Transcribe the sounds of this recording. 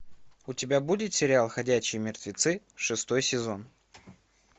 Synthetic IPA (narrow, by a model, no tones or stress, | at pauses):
ʊtʲɪbʲabudʲɪt̪sʲɪɾʲɪalˠxɐdʲæɕɪjmʲɪrt̪vʲɪt̪sɨ | ʂɨst̪o̞jsʲɪzo̞n